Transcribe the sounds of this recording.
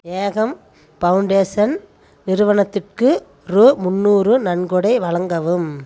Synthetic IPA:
eːɣɐm | pɐʋɯɳɖeːsɐn | nɪɾɯʋɐɳɐt̪ːɪrkɯ | ɾumʊnːuːrɯnɐɳɡɔɽɐɪʋɐɭɐŋɡɐʋɯm

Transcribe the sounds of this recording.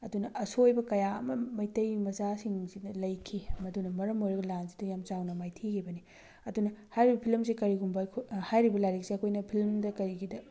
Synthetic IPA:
ɐdunɐʔɐsojbɐkɐjaɐ̰mɐmɐjtɐjmɐzasiŋsinɐlɐjkʰimɐdunɐmɐɾɐmojɾɐɡɐlansi̥dɐjamt͡ʃawnɐmajtʰikʰibɐni | ɐdunɐhajɾibɐpʰilmsikɐɾiɡumbɐkʰhajɾibɐlaɾiksiɐkʰojnɐpʰilmdɐkɐɾiɡʰidɐ

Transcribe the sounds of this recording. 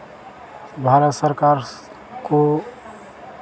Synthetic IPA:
bʱaɾət̪səɾkaɾ | ko

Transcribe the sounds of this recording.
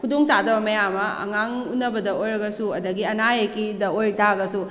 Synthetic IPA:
kʰudoŋsadɐbɐmɐjamɐɐ̰ŋaŋunːɐbɐdɐojɾɐɡɐsuɐdɐɡiɐnajekidɐojɾtʰaɡɐsu

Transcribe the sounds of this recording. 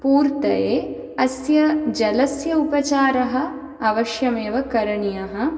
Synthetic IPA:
puːɾt̪ɐjeː | ɐsjɐd͡ʒɐlɐsjɐupɐt͡ʃaːɾɐɦɐ̆ | ɐʋɐʃjɐmeːʋɐkɐɾɐɳijɐɦɐ

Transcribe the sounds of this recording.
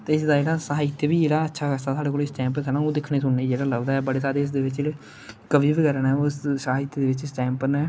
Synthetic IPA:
t̪eːɪsd̪aːd͡ʒeːɽaːsəɦaːɪt̪ːebiːd͡ʒeːɽaːətːʃʰaːkəst̪aːt̪ʰaːɽeːkoːlɪsʈɛ̃ːmpəkəɾnãːoːd̪ɪkʰneːsʊnneːd͡ʒeːɽaːləɡd̪aːɛbəɽeːsaːɾeːɪs̬d̪eːʋɪt͡ʃeːɽe | kəʋiːbikəɾənɛːossəaːɪt̪ːd̪eːʋɪt͡ʃsʈɛ̃ːmpənɛː

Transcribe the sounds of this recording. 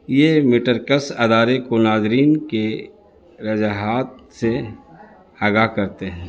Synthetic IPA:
jemɪʈəɾkəsɐd̪aːɾekonaːzɾiːnke | ɾɐd͡ʒaɦaːt̪̚se | aːɡaːɦkɐɾt̪eɦɛ̃ː

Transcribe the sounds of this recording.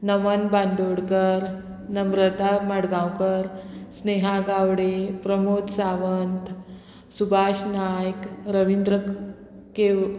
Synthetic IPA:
nəmənbãnd̪oɽkəɾ | nəmɾət̪amaɽɡãwkəɾsneɦaɡawɽepɾəmot̪saʋənt̪ | subʱaɕnajkɾəʋind̪ɾək | ke

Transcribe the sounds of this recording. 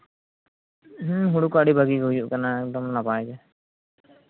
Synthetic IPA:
ɦɦuɽukaɽibʱaɡiɡojuʔkanaɛk̚dɔmnapajɡɛ

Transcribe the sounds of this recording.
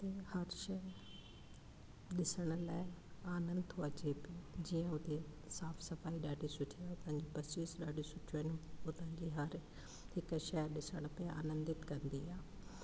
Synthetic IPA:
t̪ehɐɾʃɐ | ɗɪsəɽ̃ʊ̆laːɪaːnə̃nd̪t̪ʰoɐt͡ɕebɪd͡ʑiːə̃ʊt̪e | saːfsɐfaːiɗaːɖʱisʊʈʰiaʊt̪ə̃ɦɪ̃ɲd͡ʑopɐsiːsɗaːɖʱisʊʈʰjoɦɪnɪʊt̪ə̃ɲd͡ʑiɦɐɾ | hɪkʃɛɗɪsəɽ̃ʊpea̰ːnə̃nd̪ɪt̪kɐ̃nd̪iaː

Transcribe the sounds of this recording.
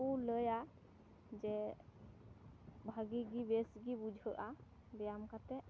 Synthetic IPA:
uləja | d͡ʒɛ | bʱaɡiɡibesɡibud͡ʒʱəʔa | bɛjamkat̪ɛ

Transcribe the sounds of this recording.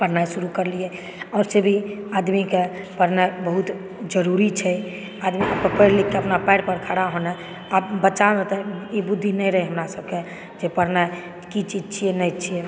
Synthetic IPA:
pəɾnajsuɾukəɾliɛ | ɔːɾsebʱiad̪mike | pəɾnabəɦut̪ | d͡ʒəɾuɾit͡ʃʰɛ | ad̪miapəpəɾlikːeəpnapaɪɽpəɾkʰaɽaɦonɛ | abət͡ʃaət̪ɛibud̪ʱːinɛjɾəɦɛɦəmɾasəbke | d͡ʒepəɾnaj | kit͡ʃid͡ʒt͡ʃʰijɛnɛjt͡ʃʰiɛ

